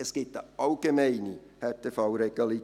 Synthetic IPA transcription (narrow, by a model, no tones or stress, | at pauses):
ɛsɡ̥ɪtəɑlɡ̥emɛɪni | hɛɾtʰefɑwɾeɡ̥ɑli